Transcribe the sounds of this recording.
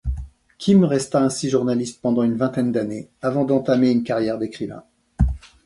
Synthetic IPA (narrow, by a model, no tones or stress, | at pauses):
kʲimʁɛst̪aɛ̃siʒuʁnalist̪̚pɑ̃d̪ɑ̃ynvɛ̃t̪ɛnd̪aneavɑ̃d̪ɑ̃t̪ameynkaʁjɛʁd̪ekχivɛ̰̃